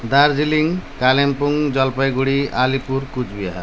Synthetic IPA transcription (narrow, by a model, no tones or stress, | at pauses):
d̪aɾziliŋkalempuŋd͡ʒʌlpajɡuɽialipuɾkud͡ʒbija̰